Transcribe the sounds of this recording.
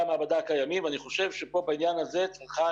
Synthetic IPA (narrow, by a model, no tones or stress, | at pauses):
amaabad̪akajamimvaniχo̞ʃe̞vʃepo̞bainjanazet͡saχa